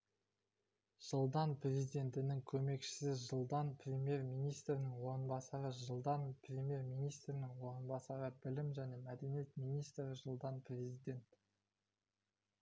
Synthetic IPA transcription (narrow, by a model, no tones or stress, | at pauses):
ʒ̥əlˠd̪ɑnprʲezid̪e̞nt̪ɪnɪŋkʲʰɵme̞kʃɪ̥sɪʒəlˠd̪ɑnpʰrʲe̞mje̞ɾmijnijst̪ɾɪnɪŋwo̞ɾənbɑsɑɾəʒəlˠd̪ɑnprʲe̞mʲje̞ɾmijnijst̪ɾɪnɪŋwo̞ɾənbɑsɑɾəbɪlɪmʒæne̞mæd̪e̞nije̞t̪mijnijst̪ɾɪʒəlˠd̪ɑnprʲe̞zijd̪ʲe̞nt̪